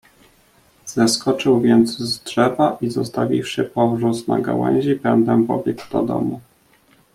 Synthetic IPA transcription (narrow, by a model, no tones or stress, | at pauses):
z̥ɛskɔt͡ʂɘwvʲjɛnd̪zzdʐɛvaʔizɔst̪avʲifʂɘpɔvʐusnaɡa̰wɛ̰w̃ʑibɛnd̪ɛwvɔbʲjɛkud̪ɔd̪ɔ̰mu